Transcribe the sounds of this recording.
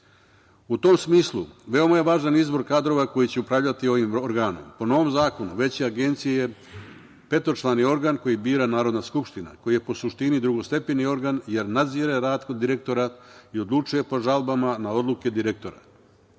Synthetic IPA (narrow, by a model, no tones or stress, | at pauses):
ut̪o̞msmiːslˠuʋe̞o̞maje̞ʋaːʒanizbo̞ɾkaːd̪ɾo̞ʋako̞jit͡ɕeupɾaʋʎat̪io̞ʋimoɾɡaːno̞̰mpo̞no̞ʋo̞mzaːko̞nuʋe̞t͡ɕeaɡe̞nt̪sijeje | pe̞t̪ot͡ʃlˠanio̞ɾɡanko̞jibiːɾanaːɾo̞d̪naskupʃt̪ina̰ko̞jije̞po̞suʃt̪inid̪ɾuɡo̞st̪e̞penio̞ɾɡanje̞ɾnad̪ziːɾeɾaːd̪kod̪iɾe̞k̚t̪o̞ɾaio̞d̪lˠut͡ʃuje̞po̞ʒalˠbamanao̞d̪luke̞d̪iɾek̚t̪o̞ɾa̰